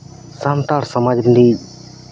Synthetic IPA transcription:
sant̪aɾsəmad͡ʒbənd̪iː

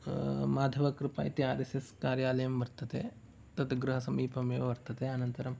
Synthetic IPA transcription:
maːd̪ʱɐʋɐkɾɪpa̰ːjit̪iaːɾeseskaːɾjaːlɐjɐmʋɐɾt̪ɐt̪ḛ | t̪ɐt̪ɡɾuɦɐsɐmiːpɐmeːʋʋɐɾt̪ɐt̪eɐnɐnt̪ɐɾɐm

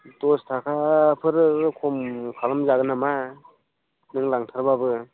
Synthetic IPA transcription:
tostʰakʰapʰɯɾɯkʰomkʰalamzaɡɯnama | nɯŋlaŋtʰaɾbabɯ

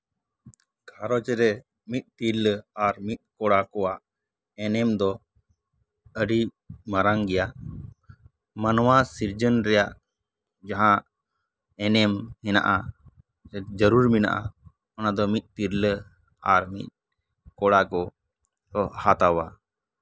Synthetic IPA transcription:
kʰaɾɔt͡ʃɾɛ | mit̪̚ˀt̪iɾləaɾmit̪̚ˀkɔɽakɔwaʔ | ɛnɛmd̪ɔ | əɖi | maɾaŋɡɛjaʔ | manwasiɾd͡ʒənɾɛjaʔ | d͡ʒaɦã | ɛnɛmhɛna̰ʔa | d͡ʒəɾuɾmina̰ʔa̰ | ɔnad̪ɔmit̪̚ˀt̪iɾlə | aɾmḭt̪̚ | kɔɽakɔ | ɔhat̪awa

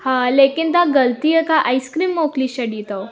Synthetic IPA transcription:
hãlekint̪ãɡəlt̪iːjəkaʔajskɾiːmːokliɕəɽit̪aw

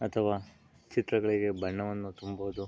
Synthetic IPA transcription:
ɐt̪ʰɐʋaː | t͡ʃit̪ɾɐɡɐɭiɡe̞bɐɳːɐʋɐnːut̪umboːd̪u

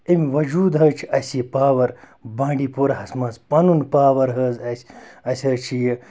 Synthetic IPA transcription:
emiʋɐd͡ʒuːd̪ɦɐːt͡ʃʰiɐsiepaːʋɐɾ | bãːɳɖiːpoɾɐɦɐsmɐ̃ːzpɐnunpaːʋɐɾɦɐːzɐsʲɐsʲɐt͡ʃʰije

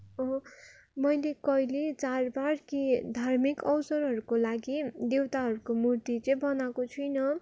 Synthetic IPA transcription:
ʌ | mʌjlekʌjlet͡sarbarkid̪ʱarmikʌwsʌɾɦʌɾukolaɡid̪ewt̪aɦʌɾukomurt̪it͡sʌj̃bʌnakot͡sʰujnʌ

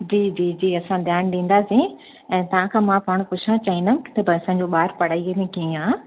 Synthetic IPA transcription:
d͡ʑiːd͡ʑiːd͡ʑiːɐsãd̪ʱjaːnɗĩːnd̪aːsĩ | ɛ̃ːt̪ɐʋ̤ãkʰãːmãpaːɽ̃pʊt͡ɕʰt͡ɕaːĩn̆d̪əmkɪ̥t̪ʰɐbɪɐsãːɲd͡ʑoːɓaːɾpɐɽaːiɐnẽkĩãː

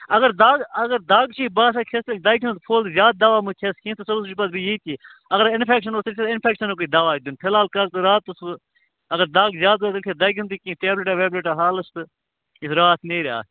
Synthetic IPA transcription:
ɐɡɐɾd̪aːɡɐɡɐɾd̪aːɡt͡ʃʰiːbaːs̬ɐkʲʰest̪ɐlʲd̪aːjkʲʰint̪pʰoːlt̪zjaːd̪̚d̪aːʋaːmukʲʰeskʰĩːt̪ɨsɐlusd͡ʒipɐt̪̚bijiːt̪ʰiːɐɡəɾɪnpʰeːkʃɐnoːsɐlt̪ʰʲeɪnpʰeːkʃɐnok̬uiːd̪aːʋaːid̪unp̪ʰelaːlkɐlt̪ɨɾaːt̪ːɨs | ɐɡɐɾd̪aːɡzjaːd̪̚bɐːt̪ɐlkʰed̪aːjkʰʲint̪ikĩːʈeːbleʈaːʋeːbleʈaːɦaːlɐst̪ɨ | isɾaːt̪ʰneːɾa̰ː

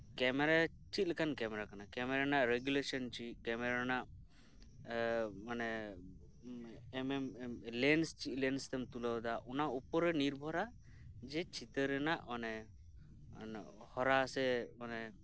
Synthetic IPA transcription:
kɛmɛɾa | t͡ʃit̪̚lɛkankɛmɛɾakanakɛmɛɾanaʔɾɛɡjulesɔnt͡ʃit̪̚kɛmɛɾanaʔ | manɛ | mɛmlɛnst͡ʃit̪̚ˀlɛnst̪ɛmt̪uləwd̪aʔɔnaupɔɾɛniɾbʱɔɾa | d͡ʒɛt͡ʃit̪əɾɛnaʔmɔnɛ | n | hɔɾasɛmanɛ

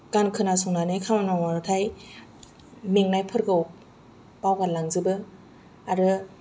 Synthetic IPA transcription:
kankʰɯnasɔŋnanɯjkʰamanaŋaɾɯtʰaj | meŋnajpʰɯɾɡɯw | pawɡalaŋzɯbɯ | aɾɯ

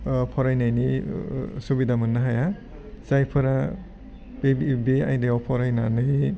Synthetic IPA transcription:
pʰɔɾajnajni | subidamɯnːaɦaja | zajpʰɯɾa | bebbeajndeɔpʰɔɾajnanɯj

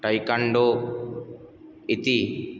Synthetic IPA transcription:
ʈɐjkɐɳɖo | it̪i

